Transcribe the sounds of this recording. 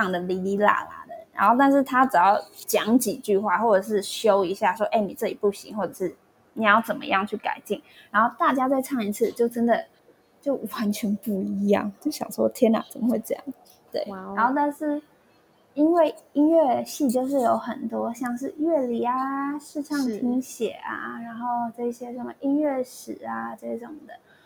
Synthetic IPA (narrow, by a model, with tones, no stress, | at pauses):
ɑ˥˩ŋd̪ə˩li˧˥i˧˥la̰˨˩la̰˨˩d̪ə˩nɻa̰˧˥nxo˥˧ʊt̪̬a˥˧nʂɻ̩˥˩t̪ʰa˥ʈ͡ʂ̩˨˩jɑ˥˩ʊt͡ɕjɑ˧˥ŋt͡ɕi˨˩t͡ɕy˥˧xwa˥˩xwɔ˥˩ʈ͡ʂɤ˨˩ʂ̬ɻ̩˥˩ɕjo˦˥ʊi˧˥ɕja˥˩ʂwɔ˥ʔe˥˩ɪni˨˩ʈ͡ʂɤ˥˩t͡ɕi˨˩pu˥˩ɕḭ˧˥ŋxwɔ˥˩ʈ͡ʂɤ˨˩ʂɻ̩˥˩ | ni˨˩˥jt͡sə˨˩nmə̰˧jɑ˥˧ŋt͡ɕʰy˥˩ka̰˨˩ɪt͡ɕi˥˩ŋ | ɻa˧˥nxo˥˧ʊt̪a˥˩t͡ɕja˥t͡swa˥˧ɪʈ͡ʂʰɑ˥˩ŋi˧t͡sʰɹ̩˥˧t͡ɕjo˥˩ʊʈ͡ʂə˥nd̪ə˨ | t͡ɕjo˥˩ʊwa˧˦nt͡ɕʰɥɛ˧˥npu˥˩iii˧˥jɑ̰˥˩ŋt͡ɕjo˥˩ɕjɑ̰˨˩ŋʂwɔ˥˩t̪ʰjɛ˥na̰˨˩t͡sə˨˩mə˦xwe˥˩ɪt͡ɕjɑ̰˨˩˦ŋ | t̪wḛ˥˩ɪɻa˧˥nxo˥˧ʊt̪a˥˧nʂɻ̩˥˩ | i˥nwe˥˩ɪi˥nɥɛ˥˧ɕi˥˧t͡ɕjo˥˧ʊʂ̬ɻ̩˥˩jo˧˥ʊxə˨˩nt̪wɔ˥ɕjɑ˥˧ŋʂɻ̩˥˧ɥɛ˥˩li˨˧˩a˦ʂɻ̩˥˧ʈ͡ʂʰɑ˥˧ŋʰi˧˥ŋɕjɛ̰˨˩a̰˧˩ɻa˧˥nxo˥˧ʊʈ͡ʂɤ˥˧i˥˩ɕjɛ˥ʂə˥˩ə̰˩ʔi˥nɥɛ˥˩ʂɻ̩˨˩a˧ʈ͡ʂɤ˥˩ɕjɛ˧˥ʈ͡ʂo˨˩ŋ˩d̪ə˩